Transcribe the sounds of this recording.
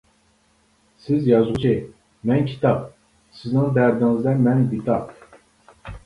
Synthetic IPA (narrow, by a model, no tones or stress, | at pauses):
sɪzjɑzʁʊt͡ʃʰi | mɛnkʲʰi̥t̪ʰɑp̚ | sɪznɪŋd̪æɾd̪ɪŋɪzd̪ɛnmɛnbit̪ʰɑp